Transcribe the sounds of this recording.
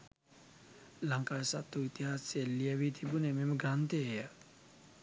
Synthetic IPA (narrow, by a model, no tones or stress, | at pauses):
laŋkaːjsat̪ːuit̪iɦaselːiəʋit̪ʰibunememəɡɾant̪eːjə